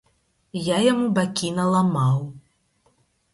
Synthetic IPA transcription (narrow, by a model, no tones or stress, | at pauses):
jajamubakʲinɐlˠamaw